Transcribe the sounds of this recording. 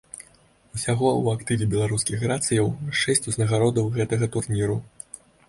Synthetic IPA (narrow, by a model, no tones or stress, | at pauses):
usʲaɣɔuakt̪ɨvʲibʲɛlˠaɾuskʲixrat̪sɨjɐwʂɛsʲt͡sʲuznɐɣaɾɔd̪ɐwɣɛt̪ɐɣɐt̪urnʲiɾu